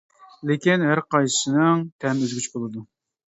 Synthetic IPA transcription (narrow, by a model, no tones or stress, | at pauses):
lekʲinɦæɾqʰɑjɨ̥sɨnɨŋt̪ʰɛmøzɡʲyt͡ʃbolˠɨd̪u